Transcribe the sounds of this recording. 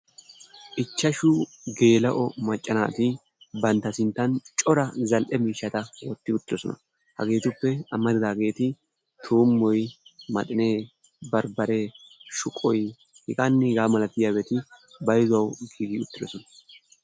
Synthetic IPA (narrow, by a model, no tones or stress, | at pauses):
ʔɪt͡ʃːɐʃʊɡe̞ːlɐʔɔmɐt͡ʃʼːɐna̰ːt̪ɪ | bɐnt̪ːɐsɪnt̪ːɐnt͡ʃʼɔɾɐzɐlʔɛmiːʃːɐt̪ɐwɔt̪ːɪʊt̪ːɪd̪ɔsɔnɐ | hɐ̰ɡe̞ːt̪ʊpːɛɐmːɐd̪ɪd̪aːɡe̞ːt̪ɪ | t̪ʰuːmːɔjmɐt̪ʼɪneː | bɐɾbɐɾeːʃʊkʼɔj | hɪkʼɐnːɪɡaːmɐlɐt̪ːɪjaːbɛt̪ɪbɐjzɐwɡiːɡiʊt̪ːɪd̪ɔ̰sɔnɐ